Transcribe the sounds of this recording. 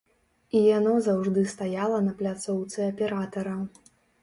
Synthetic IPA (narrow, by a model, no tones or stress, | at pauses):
ijanɔzawʐd̪ɨst̪ajalˠɐnɐplʲat̪sɔwt̪sɨɐpʲɛɾat̪ɐɾɐ